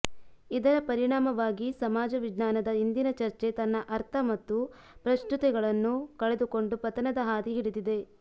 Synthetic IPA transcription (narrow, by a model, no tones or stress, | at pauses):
id̪ɐɾɐpɐɾiɳaːmɐʋaːɡisɐmaːd͡ʒɐʋiɡnaːnɐd̪ɐind̪inɐt͡ʃɐɾt͡ʃe̞t̪ɐnːɐʔɐɾt̪ʰɐmɐt̪ːu | pɾɐst̪ut̪ɛɡɐɭɐnːukɐɭe̞d̪uko̞ɳɖupɐt̪ɐnɐd̪ɐɦaːd̪iɦiɽud̪id̪e̞